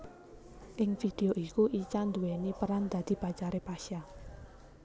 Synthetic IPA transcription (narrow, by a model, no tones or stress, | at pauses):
ʔɪŋfid̪̥e̤oʔikuʔit͡ʃand̪uwenipəɾand̪̥a̤d̪̥i̤bat͡ʃaɾepaʃa